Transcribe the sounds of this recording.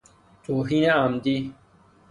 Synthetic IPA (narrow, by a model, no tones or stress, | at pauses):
toːɦinãaːmd̪i